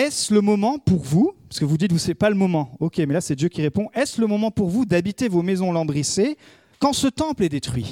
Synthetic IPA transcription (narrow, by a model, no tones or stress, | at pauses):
ɛsləmɔmɑ̃puʁvupaʁskəvud̪it̪usɛpaləmɔmɑ̃ɔkʲemɛlasɛd̪jøkʲiʁepɔ̃ʔɛsləmɔmɑ̃puʁvud̪abit̪evomezɔ̃lɑ̃bʁise | kɑ̃sət̪ɑ̃plɛd̪et̪χɥi